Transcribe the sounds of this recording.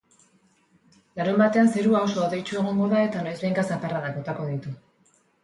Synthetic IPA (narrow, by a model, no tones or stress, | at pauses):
laɾumbat̪e̞anseɾuaoso̞ːðe̞jt͡ʃue̞ɣ̞o̞ŋɡo̞ðae̞t̪anojzβejŋkasaparaðako̞t̪ako̞ðit̪u